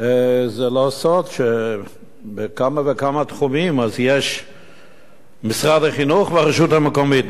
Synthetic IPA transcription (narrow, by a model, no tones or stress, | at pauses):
ezelosod̪ʃe | bekamavekamat̪χumimazjeʃ | misʁad̪haχinuχveaʁeʃut̪hamekomit̪